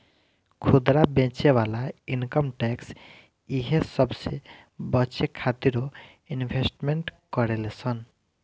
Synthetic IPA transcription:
kʰud̪ɾabẽt͡ʃeʋalainkəmʈɛks | iɦesʌbse | bʌt͡ʃekʰat̪iɾo | inbʱesʈmeɳʈkɔɾelesʰən

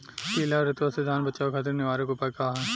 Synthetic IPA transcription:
piːlaɾɪt̪ʋased̪ʱaːnbɐt͡ʃaːokʰat̪ɪɾnɪʋaːɾekopɐkaːɦɛ

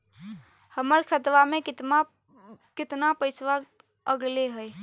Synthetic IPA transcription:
həməɾkʰət̪ʋame | kɪt̪napəɪsʋa | əɡleɦəj

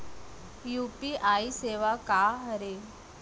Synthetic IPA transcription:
jupiʔaiseʋakaɦəɾe

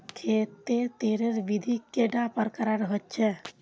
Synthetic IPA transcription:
kʰet̪et̪eɾeɾʋid̪ʱikːeɖapəɾkəɾaɾəɦətːt͡ʃʰɛ

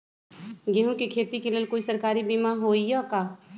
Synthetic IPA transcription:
ɡeɦũkikʰeːt̪ikelelkoːisɐɾkaːɾibiːmãɦoːiakaː

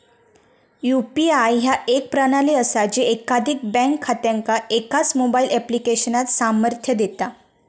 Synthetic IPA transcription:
jupiajɦjaek̚pɾaɽ̃aliəsad͡ʑeekad̪ʱik̚bɛ̃ŋkʰːat̪jãŋkaʔekat͡smobailʔɛplikeɕənat̪saməɾt̪ʰjəd̪et̪a

